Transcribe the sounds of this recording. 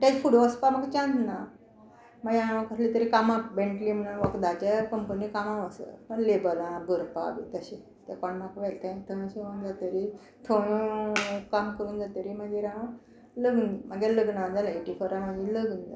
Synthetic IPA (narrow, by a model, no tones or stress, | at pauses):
ʈat͡ɕfuɽoəspaməɡt͡ɕãnd̪na | maɡaãə̃kəslit̪əɾikamãbẽɳʈlimnaʋəkd̪at͡ɕakəmpənikamãʋəsə̰pəɳlebəlãbəɾpa̰bḭt̪əɕẽ | t̪ɛkəɳmakʋɛlt̪ʰãt̪ʰoɽ̃ɕeʋund͡zat̪əɾi | t̪ʰoɽ̃əkamkəɾuːnd͡zat̪əɾimaɡeɾã | ləɡnmaɡaləɡnad͡zalaiʈifəɾamad͡ʑĩləɡund͡za̰